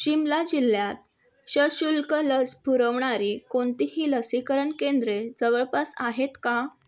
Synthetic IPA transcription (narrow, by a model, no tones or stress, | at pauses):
ɕimlad͡ʑilːjat̪̚ | ɕəɕulkələsbʱuɾəʋɳaɾiːkoɳt̪iɦiːləsikəɾəɳkend̪ɾed͡zəʋəɭpasaɦet̪ka